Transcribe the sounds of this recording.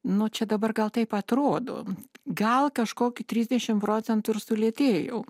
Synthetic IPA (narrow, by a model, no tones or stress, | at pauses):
nʊt͡ʃʲɛd̪ɐbɐrɡɐlˠt̪ɐɪpɐt̪ɾoːd̪o̰ːɡɐlˠkɐʃkoːkʲɪt̪ʲɾʲiːzʲd̪ʲɛʃʲɪmpɾoːt͡sʲɛnt̪ʊɪrsʊlʲeːt̪ʲeːjɛʊ